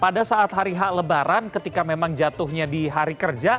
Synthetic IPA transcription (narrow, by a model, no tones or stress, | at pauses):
padasaʔːt̪ɦaɾiɦaʔləbaɾankət̪ikamemaŋd͡ʒat̪ʊhɲadiɦaɾikərd͡ʒa